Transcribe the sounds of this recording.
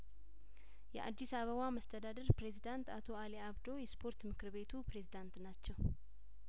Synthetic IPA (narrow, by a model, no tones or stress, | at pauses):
jɛʔa̰d̪ːisaβəβaməst̪ʰəd̪ad̪əɾpɾe̞zid̪ant̪at̪ʰo̞aliaβd̪o̞jɛspʰo̞ɾt̪mɨkɨɾβe̞t̪ʰupɾe̞zid̪ant̪nat͡ʃːɛw